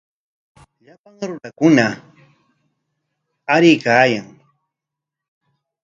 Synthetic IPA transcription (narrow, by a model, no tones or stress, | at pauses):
ʎapaŋɾʊnakʊna | aɾɪjkaːjaŋ